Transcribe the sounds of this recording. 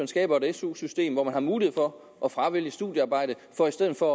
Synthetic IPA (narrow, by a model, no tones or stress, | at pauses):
nsɡ̥ɛ̰ːb̥ɐdesṵsysd̥e̝̰ːmʋɒmænhɑ̈muːliheð̰ˠfɒ̽ | ʔɒ̽fʁɑ̈ʋiləsd̥uðˠjəɑ̈ːb̥ɑ̈ɪ̰d̥ə | fɒ̽isd̥eð̰̩ˠfɒ̽